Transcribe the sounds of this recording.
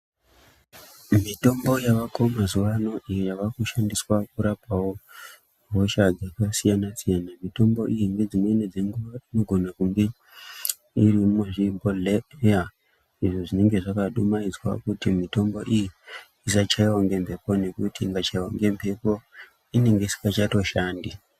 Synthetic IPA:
mito̞mbo̞jaʋakomazuʋano̞ʔijojaʋakuʃandiswakuɾapawo | ɡʱoʃad͡zakasijanasijanamito̞mbo̞ʔijiŋɡe̞d͡zineined͡zeŋɡuʋaino̞ɡʱo̞nakuŋɡe̞ | irimweʐibʱoleja | iʐoʐine̞ŋɡe̞ʐakaɗumaid͡zwa̰kutimito̞mbo̞ʔiji | isat͡ʃaiwaŋɡe̞mpʰe̞po̞ne̞kutiŋɡat͡ʃaiwaŋɡe̞mpʰe̞po | ine̞ŋɡeisi̥kat͡ʃato̞ʃaːndi

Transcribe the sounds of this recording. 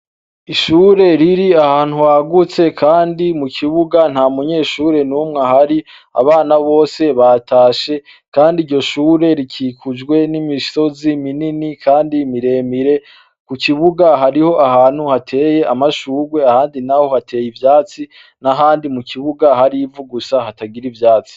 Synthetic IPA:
iʃuːɾe̞ɾiɾiahaːn̥huhaɡut͡se̞kʰaːndimukʰiβuɡan̥hamuɲe̞ːʃuːɾe̞numŋahaɾi | a̰βaːnaβo̞ːse̞βatʰaːʃe̞ | kaːndiɾɟo̞ʃuːɾe̞ɾikʰiːkʰud͡ʒɡwe̞nimiso̞zimininikʰaːndimiɾe̞ːmiɾe̞ | kukʰiβuɡaɦaɾiho̞ʔahaːn̥huhatʰe̞ːje̞ʔamaʃuːɾwe̞ahaːndinaho̞hatʰe̞ːjivjaːt͡si | naɦaːndimukʰiβuɡaɦaɾivuɡusahataɡiɾivjaːt͡si̥

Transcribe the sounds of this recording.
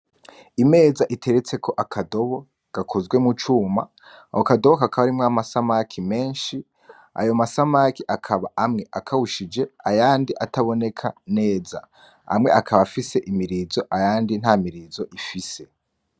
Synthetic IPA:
ime̞ːzaʔitʰe̞ɾet͡se̞kʰo̞ʔakʰado̞βo̞ | ɡ̥akʰo̞zɡwe̞mut͡ʃuːma̰ | hokadoβo̞kakaβaɾimŋamasamakʰime̞ːnʃi | a̰jo̞masamakiʔakʰaβaʔamŋe̞ʔakʰahuʃid͡ʒe̞ajaːndiʔatʰaβo̞ne̞kʰane̞ːza̰ | a̰mŋe̞̰ʔakʰaβafise̞ʔimiɾizo̞ʔajaːndin̥haːmiɾizo̞ʔifise̞

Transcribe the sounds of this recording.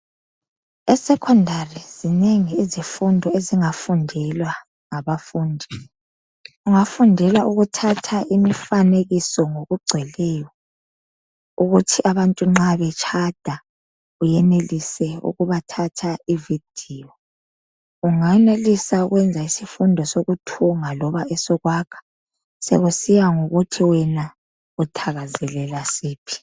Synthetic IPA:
ɛsɛkʰɔndʱariz̥ineŋiːzifundʱɔeziŋafundʱɛlwa | ŋaβafuːndʱi | uŋafundʱɛlwaʔuɣutʰatʰaʔimifaneɣisɔŋoɣuɡ͡ǀʱɛlɛːjɔ | uɣutʰiʔaβantʼuŋ͡ǁaβɛt͡ʃʰad̥ʱa | ujɛnelisɛṵɣuβatʰatʰaivid̥ʱiɔ | uŋanelisauɣwɛnd͡zʱaisifundʱɔsoɣutʰuŋalɔβaʔɛsɔɣwakʰḁ | sɛ̰ɣusijaŋoɣutʰiwɛna | utʰaɣazɛlɛlasiːpʰi̥

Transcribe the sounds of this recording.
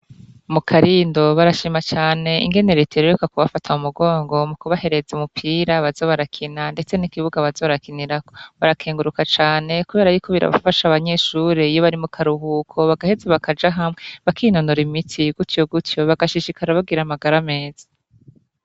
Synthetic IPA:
mukʰaɾindo̞βaɾaʃimat͡ʃaːne̞ḭŋɡe̞ne̞ɾetʰeɾoɾekakuβafatʰaumuɡo̞ːŋɡo̞mukuβahe̞ɾe̞zeumupʰiːɾaβazo̞βaɾakʰinande̞t͡se̞nikiβuɡaβazo̞βɾakiniɾakoβaɾakʰeːŋɡuɾukat͡ʃaːne̞kuβe̞ːɾajukʰo̞βiɾa̰βa̰faʃaβaɲe̞ʃuːɾeijoβaɾimukʰaɾuhukʰo̞βaɡahezeβakʰad͡ʒaɦamŋe̞βakʰinonoɾimitʰiɡ̥utjoɡutjo̞βaɡaʃiʃikaɾaβaɡiɾamaɡaɾame̞ːz̥ḁ

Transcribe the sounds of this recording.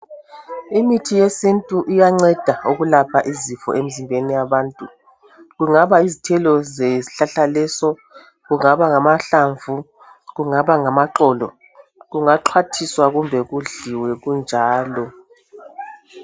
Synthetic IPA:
imitʰijesintʼuʔijaŋ͡ǀɛd̥ʱauɣulapʰaʔizifɔ̰ʔem̩zimbʱenijaβaːntʼu | ɣuŋaβaizitʰɛlɔzeiɬaɬalɛsɔ | ɣuŋaβaŋamaɬaɱvu | ɣuŋaβaŋamaǃɔːlɔ̰ | ɣuŋaǃʰwatʰiswaɣumbʱɛɣuɮiwɛɣund͡ʒʱaːlɔ

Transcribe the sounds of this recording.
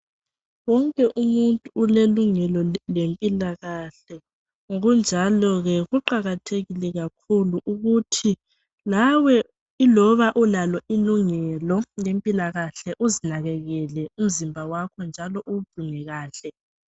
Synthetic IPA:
wɔŋkʼɛʔumuntʼuːleluŋɛlɔlempʼilaɣaɬɛ | ɣund͡ʒʱalɔɣɛɣuǃaɣatʰeɣilɛɣakʰuluʔuɣutʰi | lawɛ | ilɔβaʔulalɔʔiluŋɛlɔjempʼilaɣaɬɛʔuzinaɣɛɣɛlɛum̩zimbʱawakʰɔnd͡ʒʱalɔʔub̥ʱuŋɛɣaːɬɛ

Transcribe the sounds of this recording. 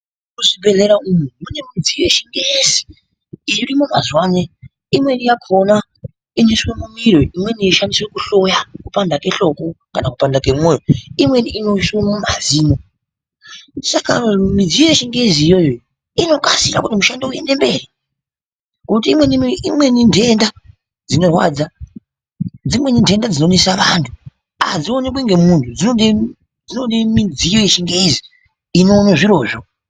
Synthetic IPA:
kuʐibʱe̞ɮe̞ɾaumumune̞mid͡zieʃiŋɡezi̥ | iirimumazwaːne | imwe̞nijakʰo̞na | iniswemumiɾoimwe̞nieʃandiswekuɬo̞jakupandake̞ɬo̞kokanakupandake̞mweroimweniʔinoswemumaziːmo | saka̰mid͡zijojeʃiŋɡeziːjo̞jo | ino̞kasiɾa̰kutimuʃandouje̞ne̞mbe̞ri | kutiːmwe̞niimwe̞nindʱe̞nda | d͡zino̞rwa̰ːd͡za | d͡zimwe̞nindʱe̞ndad͡zinonesaʋantʰu | a̰d͡zionekweŋɡe̞muntʰud͡zioɗi | d͡zinoimid͡zijo̞jeʃiŋɡeiziː | no̞ːnoʐiɾo̞ːʐo̞

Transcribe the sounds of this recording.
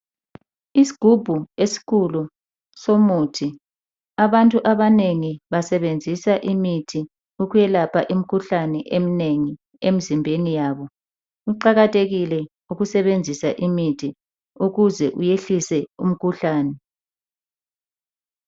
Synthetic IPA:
isi̥ɡ̥ʱub̥ʱuesi̥ɣʰulu | somuːtʰi | aβantʼuʔaβaneŋiβasɛβend͡zʱisaʔimitʰi | uɣujɛlapʰaʔim̩kʰuɬanɛʔemineŋi | em̩zimbʱenijaːβɔ | uǃaɣatʼeɣilɛ | uɣusɛβend͡zʱisaʔimitʰi | uɣuzɛʔujeɬisɛum̩kʰuɬaːnɛ

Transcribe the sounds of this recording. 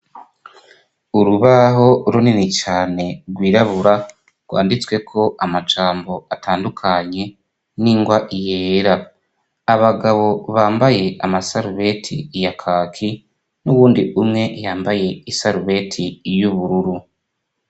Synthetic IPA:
uɾuβaɦo̞ɾuninit͡ʃaːne̞ɡwiːɾaβuɾa | ɡ̥wa̰ːndit͡swe̞kʰo̞ʔamat͡ʃaːmbo̞ataːndukʰaɲe̞ | niːŋɡwaʔije̞ːɾaː | βaɡaβo̞βaːmbaje̞ʔamasaɾuβe̞tʰḭjakʰakʰi | nuβuːndiʔumŋe̞jaːmbaje̞isaɾuβe̞tʰijuβuɾuɾu

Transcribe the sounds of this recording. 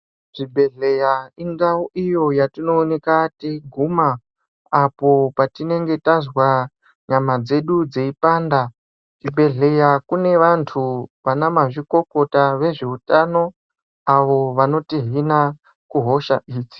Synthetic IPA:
ʐ̥ibʱe̞ɮe̞jaiŋɡawoʔijo̞jatino̞ːne̞kateɡʱumaː | po̞patine̞ŋɡe̞tazwa | ɲamad͡ze̞ɗud͡ze̞ipaːnda | ʐibʱe̞ɮe̞jakune̞ʋantʰuʋanamaʐiko̞ko̞taʋe̞ʐe̞utano̞ | aʋo̞ʋano̞tiɦina | kuɦo̞ʃa̰ʔiːd͡zi̥

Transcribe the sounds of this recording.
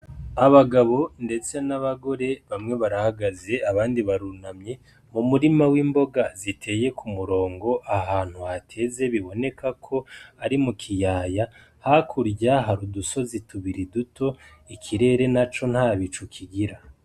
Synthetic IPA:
aβaɡaβo̞nde̞t͡se̞naβaɡo̞ɾe̞βamŋe̞βaɾahaɡaze̞aβaːndiβaɾunamɲe̞ | mumuɾimawiːmbo̞ɡazitʰe̞je̞kʰumuɾo̞ːŋɡo̞ʔahaːn̥huhatʰe̞ze̞βiβo̞ne̞kʰakʰo̞aɾimukʰijaːja | hakʰuɾɟaɦaɾuduso̞zitʰuβiɾidutʰo̞ | ikʰiɾe̞ɾe̞nat͡ʃo̞n̥haːβit͡ʃukʰiɡiɾa

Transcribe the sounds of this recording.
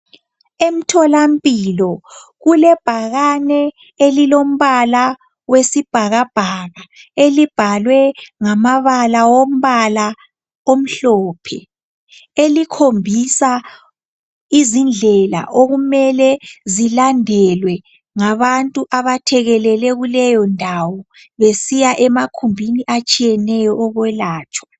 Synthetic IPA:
em̩tʰɔlampʼilɔɣulɛb̥ʱaɣanɛ | elilom̩βala | wesib̥ʱaɣab̥ʱaɣaelib̥ʱalwɛŋamaβalawom̩βala | om̩ɬɔːpʰɛ̰ | elikʰombʱisa | izind͡ɮʱɛla̰ʔoɣumɛlɛzilandʱɛlwɛ | ŋaβantʼuʔaβatʰɛɣɛlɛlɛɣulɛjɔndʱawɔ | βesijaʔɛmakʰumbʱiniʔat͡ʃʼijɛnɛjɔʔːɣwɛlaːt͡ʃʼwa

